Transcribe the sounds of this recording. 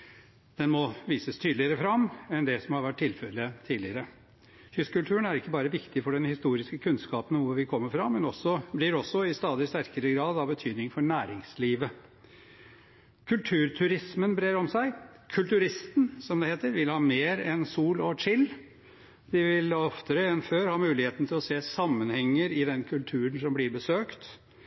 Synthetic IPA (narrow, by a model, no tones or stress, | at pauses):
d̪̥ɛnmɔʋiːsəst̪ʰyːd̪lɪəɾəfɾɑmːɛnd̪ɛsɔmhɑɾʋæʈ̚ʈʰːɪlfɛlːət̪ʰiːd̪lɪəɾə | hʏskʉlt̪ʰʉːənæɾɪkːəbɑːɾəʋɪkt̪ɪfɔɖɛnhɪst̪uːɾɪskəkʰʉnskɑːpənʋʊɾʋɪkʰɔmːəɾfɾɑmːɛnɔsːɔblɪɾɔsɔɪst̪ɑːd̪ɪst̪æɾkəɾəɡɾɑːd̪ɑbət̪ʰyːd̪nɪŋfɔɳæːɾɪŋsliːʋə | kʰʉlt̪ʰʉːɾt̪ʰʉɾɪsmənbɾeːɾɔmsæɪ | kʰʉlt̪ʉɾɪst̪nsɔmd̪ɛheːt̪əɾʋɪlhɑːmeːɾɛnsuːlɔt͡ʃɪlː | d̪ɪʋɪlɔft̪əɾəɛnføːɾhɑːmʉːlɪheːt̪n̩t̪ʰɪlɔseːsɑmːənhɛŋːəɾɪd̪ɛnkʰʉlt̪ʰʉːɾənsɔmblɪɾbəsøːkt̪